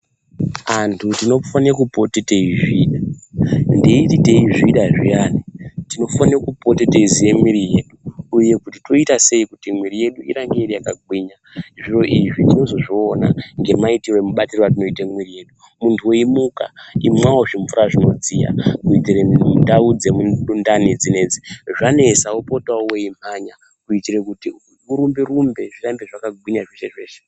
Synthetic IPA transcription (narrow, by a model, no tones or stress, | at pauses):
antʰutino̞fanerakupo̞teteiʐiːɗa | ndeitite̞iʐiɗaʐianitino̞fanrakupo̞teteizije̞miɾije̞ːɗuːje̞kutito̞itase̞ikutimwiɾije̞ɗuḭɾaŋɡeiɾijakaɡwiɲa | ʐiro̞ʔiʐitino̞zo̞ʐiːnaŋɡe̞maitirwe̞muɓatirowatino̞itamwirije̞ːɗu | muntʰuweimuka̰imwawo̞ʐiɱvuɾaʐino̞d͡zija̰kuitirendaud͡zemuɗundanid͡zine̞ːd͡ziʐane̞saopotawoweim̥aɲa | kuitiɾekuti | uɾumbiɾumbe̞ʐirambeʐakaɡwiɲaʐeʃe̞ʐe̞ːʃe